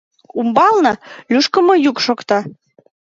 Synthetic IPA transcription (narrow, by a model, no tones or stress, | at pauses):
umbɑlnɤlyʃkə̆mɤ̆jukʃokt̪ɑ